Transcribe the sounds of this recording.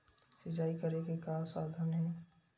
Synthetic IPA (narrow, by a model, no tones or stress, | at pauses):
sɪd͡ʒaːikɐɾekekaːsaːd̪ʱənɦɛ̃ː